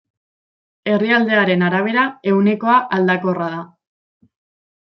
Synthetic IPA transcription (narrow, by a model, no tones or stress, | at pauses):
e̞riald̪e̞aɾe̞naɾaβ̞e̞ɾae̞wneko̞aʔald̪ako̞raða